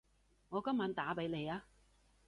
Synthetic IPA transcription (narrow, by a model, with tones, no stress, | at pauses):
ŋɔː˨˧kɐ˥mːaː˨˧˥nt̪aː˨˥pe˨˧jle˨˧jaː˧